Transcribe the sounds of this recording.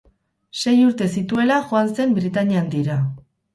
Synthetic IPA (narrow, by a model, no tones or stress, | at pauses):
se̞juɾt̪e̞sit̪ue̞laʝoanse̞mbɾit̪aɲiand̪iɾa